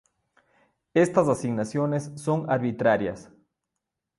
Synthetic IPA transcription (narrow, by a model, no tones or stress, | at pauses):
est̪asasiɡnasjonesːoŋaɾβit̪ɾaɾja̰s